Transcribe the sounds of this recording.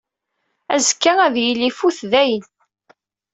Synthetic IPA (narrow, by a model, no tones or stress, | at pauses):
æzkːææðjilːifuθðæjən